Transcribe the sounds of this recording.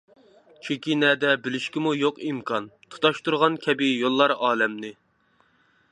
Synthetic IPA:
t͡ʃʰykʲinɛːd̪ɛbɪlɪʃkʲimujoqimkʰɑnt̪ʰu̥t̪ɑʃt̪uɾʁɑnkʲʰɛbɪjolˠːɑɾɑːlɛmnɪ

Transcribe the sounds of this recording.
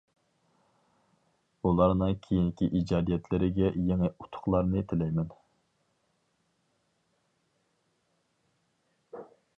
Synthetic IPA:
ulˠɑɾnɨŋkʲʰejinkʲiʔid͡ʒɑːd̪ijɛt̪ʰlɪɾɪɡʲɛjeŋɪut̪ʰʊ̥χlˠɑɾnɨt̪ʰɪlɛjmɛn

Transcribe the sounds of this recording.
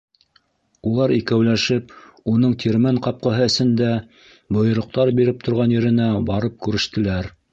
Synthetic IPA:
ulˠɑɾikæwlæʃɘp̚unɤɴt̪ʰʲiɾmæɴqɑp̚qɑɦɤɘ̆sɘ̆nd̪æ | bŏjŏɾŏq̚t̪ɑɾbiɾɘp̚t̪ʰŏɾʁɑnjɘ̆ɾɘ̆næbɑɾɤp̚kʉɾɘ̆ʃt̪ɘ̆læɾ

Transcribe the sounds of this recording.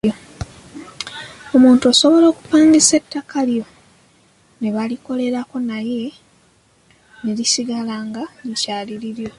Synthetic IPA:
o | o̞muːntuaso̞βo̞lo̞ːku̥paːɲɡisetːakaljo̞ | ne̞βaliko̞le̞ɾako̞naje̞ | ne̞ɾisiɡalaːŋɡaicaːliɾiɾjo̞

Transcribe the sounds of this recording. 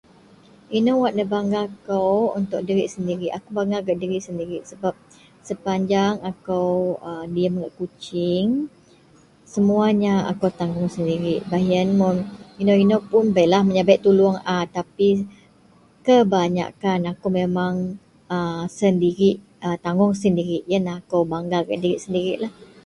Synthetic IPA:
inowaʔ̪̚dəbaŋɡakawunt̪ʊk̚dəɾiʔsəndiɾiʔakubaŋɡaɡaʔ̚diɾiʔsəndiɾɪʔsəbap̚ | səpaɲd͡ʒaŋakawədiəmɡaʔkut͡ʃɪŋ | səmuaɲaa̰kawt̪aŋɡʊŋsəndiɾiʔbaɦiənmɔnjunoinopʊnbalahməɲabaʔt̪uluaŋat̪api | kəbaɲa̰kanakumemaŋ | əsəndiɾiʔ | ət̪aŋɡʊŋsəndiɾɪʔ̚janaakawbaŋɡaɡa̰ʔdiɾiʔsəndiɾiʔlah

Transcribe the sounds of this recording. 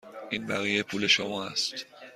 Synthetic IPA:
ʔiːnbæɣijepʰuːle̞ʃomɒːæst̪

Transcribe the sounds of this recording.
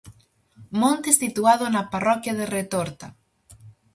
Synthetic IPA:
mõnt̪ɪsit̪uaðʊnɐparɔkjɐðeret̪oɾt̪a

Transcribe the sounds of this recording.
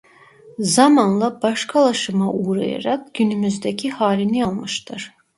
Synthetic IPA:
zamanlˠabaʃkʰalˠaʃɯmaʔuɾa̰ja̰ɾak̚ɟ̥ynymyzd̪ɛcʰihaːlʲinialˠmɯʃt̪ʰɯɾ̥

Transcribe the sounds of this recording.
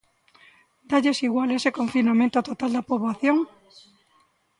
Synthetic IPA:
d̪aʎesiɣwalesekoɱfinamẽnt̪ot̪ot̪ald̪apoβlaθjoŋ

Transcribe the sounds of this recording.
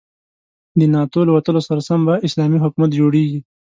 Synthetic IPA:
d̪ənɑt̪olawat̪əlosaɾasambaɪslɑmiɦʊkumat̪̚d͡ʒoɽeɡi

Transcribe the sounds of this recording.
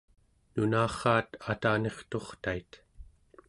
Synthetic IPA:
nunaːχɑːt̪at̪aːne̞χt̪o̞χt̪ait̪

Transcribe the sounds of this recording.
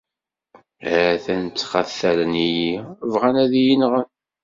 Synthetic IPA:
æθænt͡st͡sːχæθːæɾənijivʁænæðijənʁən

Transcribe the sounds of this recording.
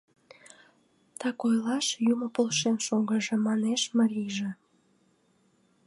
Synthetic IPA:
t̪ɑkojlɑʃjumŏpolʃenʃoɡəʒĕmɑneʃməɾiʒe

